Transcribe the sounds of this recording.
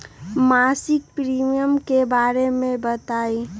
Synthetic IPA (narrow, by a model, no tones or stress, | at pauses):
maːsɪk̚pɾiːmijəmkebaːɾemẽbət̪aːi